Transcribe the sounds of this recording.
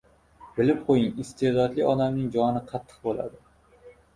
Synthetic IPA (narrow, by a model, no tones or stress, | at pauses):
bɪlɪp̚qʰojɪŋɪst̪ʰed̪ɒd̪lɪɒd̪amnɪŋd͡ʒɒnɪqʰɑt̪ʰːɨ̥q̚bola̰d̪ɪ